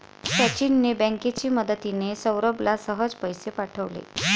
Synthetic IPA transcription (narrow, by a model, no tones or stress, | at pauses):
tat͡ɕinːebɛ̃ŋket͡ɕiːməd̪ət̪inesəwɾəblasəɦəd͡zpəjsepaʈʰəʋlḛ